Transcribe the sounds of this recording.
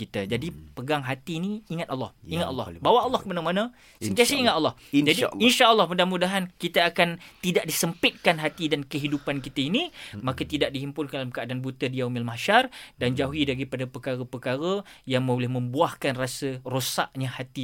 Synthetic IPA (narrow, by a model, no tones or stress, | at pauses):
kit̪ad͡ʒadipəɡaŋɦat̪iniːŋat̪̚alːɔ̰hiŋat̪a̰lːɔ̰bawaʔːlːɔhkəbənaŋmanã | sənt̪iasəiŋat̪alːɔhnd͡ʒadiinʃaʔəlːɔhmədaŋmudaɦankit̪aakant̪idaʔdisəmpɪt̪̚kanɦat̪idankəɦidupankit̪ainimakət̪idaʔ̚diɦimpʊnkandalamkəadanbut̪ədiaumilmaʃardand͡ʒaɦuidaɾipadapəkaɾəpəkaɾəjaŋmulɪhmə̃mbuahkanrasərosaʔɲãhat̪i